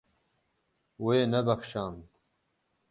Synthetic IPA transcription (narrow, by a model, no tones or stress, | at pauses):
weːnɐbɐxʃɑːnd̪